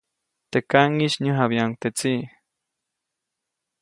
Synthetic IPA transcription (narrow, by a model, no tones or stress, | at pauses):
t̪ekaŋiʃɲəɦaβjaŋt̪et͡si